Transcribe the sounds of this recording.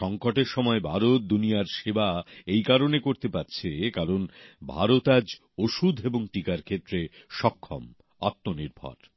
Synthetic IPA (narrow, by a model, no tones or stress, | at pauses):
ʃɔŋkoʈeɾʃɔmɔebʱaɾot̪̚d̪unijaɾʃebaejkaɾonekoɾt̪epatːt͡ɕʰekaɾonbʱa̰ɾot̪ad͡ʑ | oʃud̪ʱeboŋʈikaɾkʰet̪ːɾeʃɔkʰːɔ̰m | ɔ̰t̪ːoniɾbʱa̰ɾ